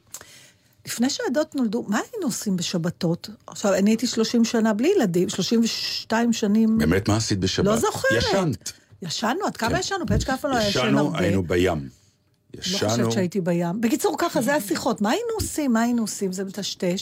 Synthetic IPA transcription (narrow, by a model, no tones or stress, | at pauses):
lifne̞jʃeado̞tno̞ldumaːinuosimbeʃabato̞taχʃaveniitiʃlo̞ʃimʃanablijeladimʃlo̞ʃimveʃtaimʃanimbemet̪maːsit̪̚beʃalozoχeaʁetn | jaʃanuad̥kamajaʃanubeet͡ʃkaafaloajaʃanaa̰inubajam | ja̰looʃevt͡ʃʃeaitibajambekit͡suʁkaχazeasiχo̞tmaːinuosimːaːinuosimzemetaʃte̞ʃ